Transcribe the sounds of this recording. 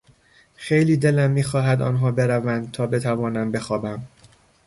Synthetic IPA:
xejliːd̪e̞læmːiːxɒːɦæd̪ɒ̰ːnɦɒːbe̞ɾævænd̪̚t̪ʰɒːbe̞t̪ʰævɒːnæmbe̞xɒːbæm

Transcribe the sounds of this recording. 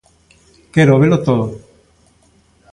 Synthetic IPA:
keɾoβelot̪oðo

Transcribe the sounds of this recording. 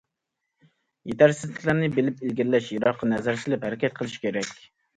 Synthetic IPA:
jet̪ʰæɾsɪzlɪkʲlæɾnɪbelɪpelɡʲiɾlɛʃjeɾɑqːɑnɛzæɾsɪlɪphæɾɪkʲʰɛt̪̚qʰəlˠɨʃi̥kʲʰeɾɛkʲ

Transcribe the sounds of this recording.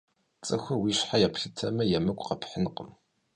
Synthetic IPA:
t͡sʼɨxʷʊwiːɕħajɛpʰɬɨtʰɐmɐjɛmɐkʷʼqɐpʰħənqə̰m

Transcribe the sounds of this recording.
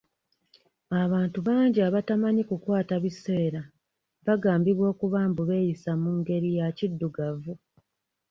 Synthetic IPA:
aβaːntuβaːɲɟiaβatamaɲikukwaːtaβise̞ːɾa | βaɡaːmbiβwo̞ːkuβaːmbuβe̞ːjisamuŋɡe̞ɾijacidːuɡavu

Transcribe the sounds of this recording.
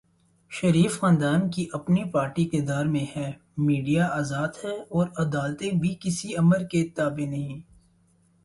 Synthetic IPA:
ʃɐɾiːfxãːnd̪aːnkiʔɐpnipaːɾʈikɪɾd̪aːɾmẽhɛː | miːɖijaaːzaːd̪hɛɔːɾɐd̪aːlt̪ebʱikɪsiɐməɾket̪aːbenɐɦĩː

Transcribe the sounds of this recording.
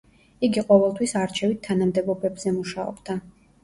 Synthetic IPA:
iɡiqʼɔvɛlˠt̪ʰwisaɾt͡ʃʰɛvit̪ʰːanamd̪ɛbɔbɛbz̥ɛmuʃaɔ̰bd̪̥a

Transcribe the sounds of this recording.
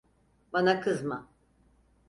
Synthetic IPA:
banakʰɯzma

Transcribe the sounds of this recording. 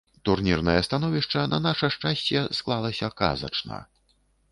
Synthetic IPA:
t̪urnʲirnɐjɐst̪anɔvʲiʂt͡ʂɐnɐnaʂɐʂt͡ʂasʲt͡sʲɛsklˠalˠɐsʲɐka̰zɐ̰t͡ʂnɐ̰

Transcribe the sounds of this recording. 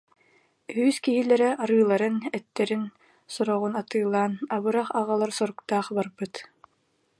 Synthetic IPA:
yːskiɦilɛɾɛʔaɾɯːlˠaɾɯnɛt̪ːɛɾin | sɔɾɔʁunat̪ɯːlˠːaːnaβɯɾaχaʁalˠaɾsɔɾukt̪aːχbaɾbɯt̪

